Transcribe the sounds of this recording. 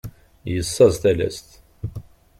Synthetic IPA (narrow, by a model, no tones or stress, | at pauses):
jəsːɑzθælæ̰st̪